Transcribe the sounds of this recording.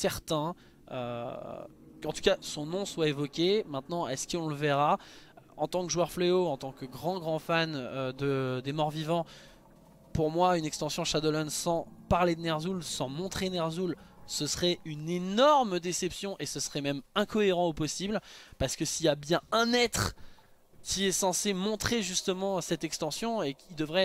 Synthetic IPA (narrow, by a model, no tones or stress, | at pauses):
sɛʁt̪ɛ̃ | ø̰ | kɑ̃t̪ukasɔ̃nɔ̃swaevɔkʲemɛ̃t̪nɑ̃ɛskəɔ̃ləvɛʁaɑ̃t̪ɑ̃kʒuœʁfleoɑ̃t̪ɑ̃kəɡʁɑ̃ɡʁɑ̃fanød̪əd̪emɔʁvivɑ̃ | puʁmwaynɛkst̪ɑ̃sjɔ̃ʃad̪ɔlɔnsɑ̃paʁled̪ənɛʁzulsɑ̃mɔ̃t̪χenɛʁzul | səsχɛynenɔʁmd̪esɛpsjɔ̃ʔesəsχɛmɛmɛ̃kɔeʁɑ̃opɔsiblpaʁsə̥kəsijabjɛ̃ɛ̃nɛt̪χ | kʲiɛsɑ̃semɔ̃t̪χeʒyst̪əmɑ̃sɛt̪ɛkst̪ɑ̃sjɔ̃ekild̪əvʁɛ